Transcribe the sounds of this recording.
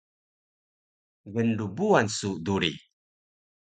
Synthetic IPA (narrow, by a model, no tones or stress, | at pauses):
ɡənɖubuansuʔduɾḭ